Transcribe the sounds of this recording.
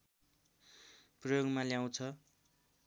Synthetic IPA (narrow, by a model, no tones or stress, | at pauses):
prʌjoɡmaljaw̃t͡sʰʌ